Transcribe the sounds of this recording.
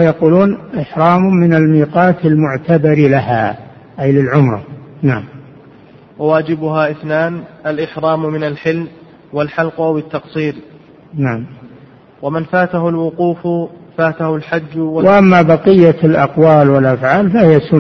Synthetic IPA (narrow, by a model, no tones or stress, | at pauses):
jɑquːluːnʔɪħɾˤɑːmmɪnalmiːqɑːt̪almʊʕt̪ʰabɑɾlaɦa | ʔajlɪlʕʊmɾˤɑ̰naʕam | wawaːd͡ʒɪbʊɦaːʔɪθnaːnʔalʔɪħɾˤɑːmmɪnalħɪlm | walħɑlqʔawɪt̪ːɑqsˤiːɾ | naʕam | wamɪnfaːt̪aɦʊlwʊquːffaːt̪ahʊlħad͡ʒːwawaʔamːabɑqɪjːalʔɑqwaːlwalʔafʕaːlfahɪjasʊ